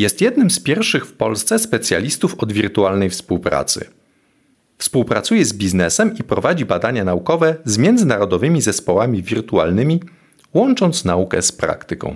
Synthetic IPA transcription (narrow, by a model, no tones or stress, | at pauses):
jɛst̪jɛd̪nɘmspʲjɛɾfʂɘxfpɔlst̪sɛspɛt̪sʲja̰lʲist̪ufɔd̪vʲiɾt̪ualnɛjfspuwpɾa̰t̪sɘ̰ | fspuwpɾat̪sujɛzbʲiznɛsɛmipɾɔvad͡ʑibad̪aɲanaukɔvɛzmʲjɛnd̪zɘnaɾɔd̪ɔvɘmʲizɛspɔwamʲivʲiɾt̪ua̰lnɘmʲi | wɔnt͡ʂɔnt̪snaukɛ̰spɾa̰kt̪ɘkɔ̰̃w̃